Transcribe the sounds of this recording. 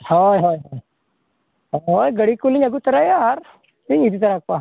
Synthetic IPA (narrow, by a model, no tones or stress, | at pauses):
hojɦojɦoj | ɦojɡəɽikuliɲaɡut̪əɾajaɾ | t̪iŋid̪it̪̬əɾak̚pa